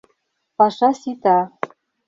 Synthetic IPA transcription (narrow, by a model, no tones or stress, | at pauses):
pɑʂɑsit̪ɑ